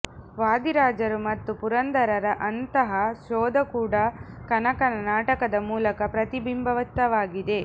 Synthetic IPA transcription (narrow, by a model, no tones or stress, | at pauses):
ʋaːd̪iɾaːd͡ʒɐɾumɐt̪ːupuɾɐnd̪ɐɾɐɾɐʔɐnt̪ɐɦɐʃoːd̪ɐkuːɽɐkɐnɐkɐnɐnaːʈɐkɐd̪ɐmuːlɐkɐpɾɐt̪ibimbʱɐʋɐt̪ːɐʋaːɡid̪e̞